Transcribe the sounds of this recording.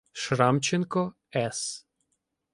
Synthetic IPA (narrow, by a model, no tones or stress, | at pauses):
ʃɾamt͡ʃɛnkɔ | ɛs